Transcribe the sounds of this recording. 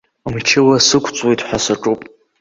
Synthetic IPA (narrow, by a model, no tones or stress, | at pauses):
mt͡ʃʰɪwasɨkʷʰt͡sʼwejtʼħʷasaʈ͡ʂʼupʼ